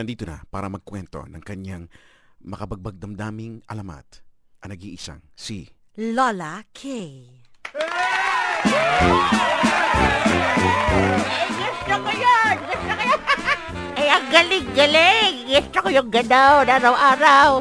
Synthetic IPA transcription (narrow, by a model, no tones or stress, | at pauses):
ɐnd̪iːt̪onɐ̰pa̰ːɾɐmɐɡ̚kwɛnt̪o̞̰nɐŋkɐɲaŋ | mɐkɐbɐɡ̚bɐɡ̚d̪ɐmd̪aːmɪŋʔɐlɐma̰t̪ | ʔɐnɐɡḭːʔɪsa̰ŋsi | lolakʰɛj | ɡist̪ɾokojonɡɪst̪ɾɐkojo | ʔɛjɐŋɡɐlɪŋɡɐlɛɡɛst̪ɾɐkojʊŋɡɐd̪awnaːɾɐwʔaːɾɐw